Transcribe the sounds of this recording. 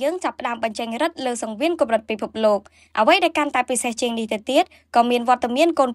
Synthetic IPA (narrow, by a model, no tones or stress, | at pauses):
əːŋt͡ɕapːə̆ɗaəmɓɑɲt͡ɕəŋrɨt̪̚ləːsɑŋʋiənkomrɨt̪̚pipʰup̚loːk̚ | ʔəʋəjɗaɛlkant̪aɛpiseht͡ɕiəŋniht̪ɨwt̪iət̪̚ | kɑːmiənʋŏət̪ːamiənkoːn